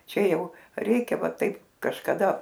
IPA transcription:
ˈt͡ʃʲɛ ˈjɛʊ ˈrʲɛɪkʲɛ ˈʋɐ ˈtɐɪp kɐʃkɐˈdɐ

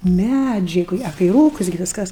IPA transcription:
ˈmʲæd͡ʒʲɛɪ koːˈkʲiɛ ɐ kɐɪ ˈruːkʊs ɡʲɪ ˈʋʲɪskɐs

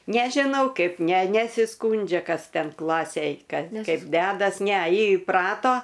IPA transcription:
nʲɛʒʲɪˈnɐʊ ˈkɐɪp ˈnʲɛ nʲɛsʲɪˈskuːnʲd͡ʒʲɛ ˈkɐs ˈtʲɛn ˈklˠɑːsʲeːj ˈkɐt ˈkɐɪp ˈdʲæːdɐs nʲɛ ˈjɪ ɪˈprɑːtoː

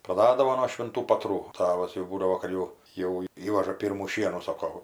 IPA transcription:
prɐˈdɑːdɐʋoː noː ʃʲʋʲɪnˈtuː pɐtˈruː ˈtɑːʋɐs jɛʊ ˈbuːdɐʋoː kɐt jɛʊ jɛʊ ˈiːʋɐʒɐ ˈpʲiːrmuː ˈʃʲiɛnuː ˈsoːkoː

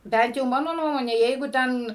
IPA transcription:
ˈbʲɛnt jɛʊ ˈmɑːnoː ˈnuɔmoːnʲɛ ˈjɛɪɡʊ ˈtʲɛn

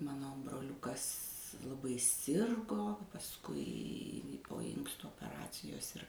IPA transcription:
ˈmɑːnoː broːˈlʲʊkɐs lˠɐˈbɐɪ ˈsʲɪrɡoː pɐsˈkʊɪ poː ˈɪŋkstʊ oːpʲɛˈrɑːt͡sʲɪjoːs ɪr

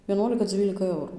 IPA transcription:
ʋʲiɛˈnuɔlʲɪkɐ ˈd͡zʲiːlʲɪkɐ ˈɛʊruː

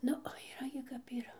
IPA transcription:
ˈnʊ oː iːˈrɐ ɡʲɪ kɐp iːˈrɐ

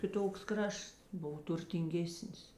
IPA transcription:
kʲɪˈtoːks ˈkrɐʃts ˈboːw tʊrʲtʲɪŋʲˈɡʲeːsʲnʲɪs

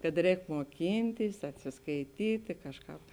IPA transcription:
kɐt ˈrʲɛːk muɔˈkʲiːnʲtʲɪs ɐtʲsʲɪskɐɪˈtʲiːtʲɪ ˈkɑːʃˌkɑːp

